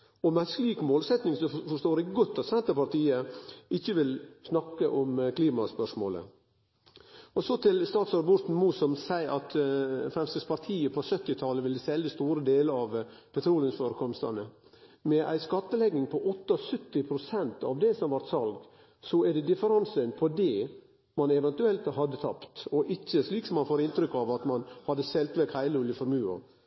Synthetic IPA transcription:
ɔmænskliːkmoːlsɛt̪nɪŋsɔfɔʂt̪oːɾɪɡɔt̪ːɑt̪sɛnt̪əpɑɾt̪ʰiːəʔɪçːəʋɪlsnɑkːəʔɔmkʰliːmɑspœʂmo̰ːlə̰ | ɔsɔt̪ʰɪlst̪ɑːt̪sɑɾɑbɔt̪n̩muːsɔmsæɪʔɑt̪fɾɛmst̪əspʰɑɾt̪ʰiːəpʰɔsœt̪ːɪt̪ʰɑləʋɪlːsɛlːəst̪uːɾəd̪eːləɾɑʋpʰɛt̪ʰɾuːlənsfɔːɾəkʰɔmst̪ɑ̰nə | mɛʔæ̰ɪskɑt̪ːəlɛɡːɪŋpʰɔʔɔt̪ːɑɔsʉt̪ːɪpʰɾʊsɛnt̪ɑ̰ʋd̪ɛsɔmɑʋæɾt̪sɑlɡ | sɔæɖɛd̪ɪfəɾɑnsœnpʰɔd̪ɛ | mɑnɛʋɛnt̪ʉɛlt̪ɦɑd̪ːət̪ʰɑpt̪ɔʔɪçːəsliːksɔmːɑnfoːɾɪnt̪ɾʏkːɑʋɑt̪mɑnhɑd̪ːəsɛlt̪ʋɛkhæɪləʊljəfɔɾmʉːɑ̰

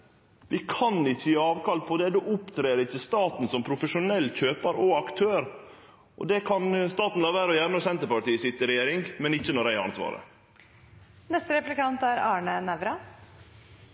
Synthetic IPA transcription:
ʋɪkʰɑnɪçːəjæɑːʋkɑlt̪̚pʰɔd̪ɛd̪uːʔʊpt̪ʰɾeːɾəɪçːəst̪ɑːt̪n̩sɔmpʰɾʊfəʂʊnɛlːçøːpɑɾɔɑkt̪ʰøːɾ | ʔɔ̰d̪ɛkʰɑnst̪ɑːt̪n̩lɑːʋæːɾəɔjæːɾnɔsɛnt̪əpɑʈiːsɪt̪ːɪɾɛjeːɾɪŋmɛnɪçːənɔɾæɪɑ̰nsʋɑ̰ːɾə̰ | nɛst̪əɾɛplɪkɑnt̪æɾɑːɳənæʋɾɑ

